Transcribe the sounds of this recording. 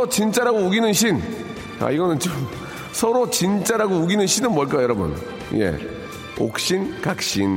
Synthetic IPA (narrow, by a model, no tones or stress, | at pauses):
ot͡ɕint͡ɕ͈aɾaɡouɡinɯnɕʰin | a̰iɡʌnɯnt͡ɕom | sʰʌɾot͡ɕint͡ɕ͈aɾaɡouɡinɯnɕʰinɯnmwʌɭk͈ajjʌɾʌbʌ̰n | je̞̰ | o̰k̚ɕ͈inkak̚ɕ͈in